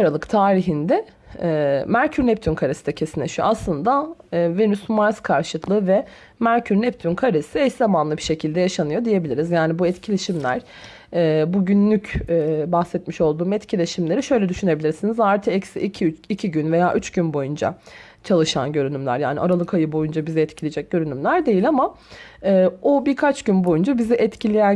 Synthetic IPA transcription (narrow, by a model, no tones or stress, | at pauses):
aɾalˠɯkt̪ʰaːɾiɦind̪ɛː | mæɾcʰyɾnɛp̚t̪ʰynkʰaɾesid̪ɛcʰe̞sinʲeʃyjo̰aslˠɯnd̪ave̞nysmaɾskʰaɾʃɯk̪lˠɯːvɛ | mæɾcʰyɾnɛp̚t̪ʰynkʰaɾesiɛç̪zamanlˠɯbiʃe̞cʰilʲd̪ɛjaʃanɯjo̞d̪ije̞bilʲiɾizjaːnibuɛt̪cʰilʲe̞ʃimlʲæ̰ɾ̥ | ɛːbuɟynlʲycːbaxsɛt̪miʃo̞lˠd̪uːmɛt̪cʰilʲeʃimlʲe̞ɾiʃø̞jlʲɛd̪yʃynebilʲiɾsinizaɾt̪ʰɯɛcsḭʔicʰiicʰiɟynve̞jaːʔyt͡ʃɟynbo̞jund͡ʒa̰ | t͡ʃʰalˠɯʃa̰nɟøɾynymlʲæ̰ɾja̰ːnḭʔaɾalˠɯkʰajɯbo̞jund͡ʒabizɛɛt̪cʰilʲid͡ʒɛc̚ɟ̥ø̞ɾynymlʲæɾd̪e̞jilʲama | ɛːobiɾkʰat͡ʃɟ̥ynbo̞jund͡ʒabizɛʔɛt̪cʰilʲijæn